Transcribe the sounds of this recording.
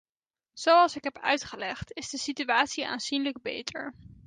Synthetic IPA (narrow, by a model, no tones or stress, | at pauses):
z̥owɑlˠsɪkɦɛpœ̰ɥtχəlɛχtɪzdəsityaːtsiʔa̰ːnzinləɡ̚bḛjtʰəɹ